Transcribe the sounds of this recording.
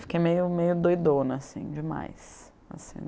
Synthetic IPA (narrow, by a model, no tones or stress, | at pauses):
fi̥kejmejʊmejʊd̪ojd̪õnasḭ̃d͡ʒɪma̰js | a̰sḭ̃